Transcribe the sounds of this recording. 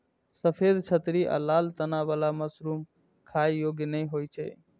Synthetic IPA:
səpʰed̪t͡ʃʰət̪ɾiʔə̰lalt̪ənaʋalaməsɾuːm | kʰajjoɡjənəjɦojt͡ʃʰɛ̰

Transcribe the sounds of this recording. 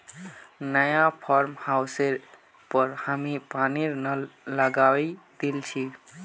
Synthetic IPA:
nəjapʰɔɾmhawseɾ | pəɾhamipaniɾnələɡawɛd̪elt͡ʃʰi

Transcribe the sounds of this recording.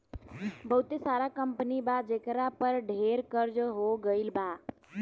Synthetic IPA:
bəɦut̪esaɾakəmpnibad͡ʒekɾapəɾɖʱeɾkəɾd͡ʒɦoɡəɪlba

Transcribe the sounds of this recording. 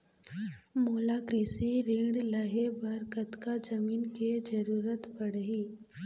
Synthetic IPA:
moːlakɾiːsiɾẽːɽləɦebɐɾkət̪kad͡ʒɐmiːnked͡ʒəɾuːɾət̪bɐɽ̤ɦiː

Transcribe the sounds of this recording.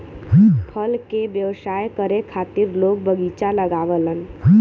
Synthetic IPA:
pʰəlkebjəʋsajkəɾekʰat̪iɾlok̚bəɡit͡ʃaləɡaʋələn

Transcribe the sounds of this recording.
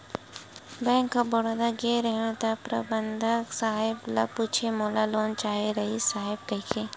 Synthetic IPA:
bɛ̃ːŋkːabɔɽod̪aɡeɾəɦẽt̪apɾə̰bənd̪ʱəksaːɦɪbla̰puːt͡ʃʰemɔːlaloːnt͡ʃaːɦeɾɐɦisaːɦɪb̚kəkʰe

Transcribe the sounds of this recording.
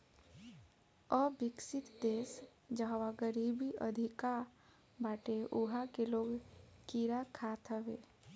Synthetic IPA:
əbɪksɪt̪d̪eːs | d͡ʒəɦwaɡəɾiːbiʔəd̪ʱika | baːʈeʔuɦakeloːɡkiɾakʰaːt̪ʰəʋe

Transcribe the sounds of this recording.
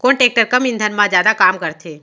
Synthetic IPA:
koːnʈeːk̚ʈəɾkəmɪ̃nd̪ʱənmãzjaːd̪akaːmkəɾt̪ʰeː

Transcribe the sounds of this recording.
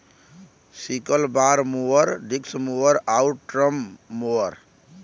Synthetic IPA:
sikəlbaɾmuəɾɖiksmuəɾauʈɾəmːoəɾ

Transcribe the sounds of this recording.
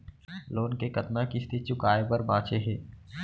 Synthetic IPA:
loːnkekɐt̪nakist̪ʰɪt̪̚t͡ʃʊkaːepɐɾbãːt͡ʃeɦɛː

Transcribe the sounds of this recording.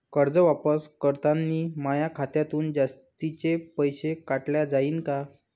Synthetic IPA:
kəɾd͡zəʋapəskəɾt̪anːiːmajakʰat̪jat̪uːnd͡zast̪it͡ɕepəjɕekaʈljad͡zaiːnka

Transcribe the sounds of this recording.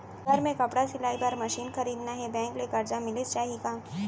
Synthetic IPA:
ɡʱɐɾmẽkɐpɽasɪlaːibɐɾmɐʃiːnxɐɾiːd̪naɦɛbɛ̃ːŋklekɐɾd͡ʒamɪlet͡ʃaːɦiekaː

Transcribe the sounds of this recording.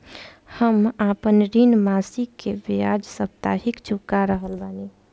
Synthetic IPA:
həmapənɾinmasikːebiad͡ʒsəp̚t̪a̰ɦikt͡ʃʰukːaɾəɦəlbani

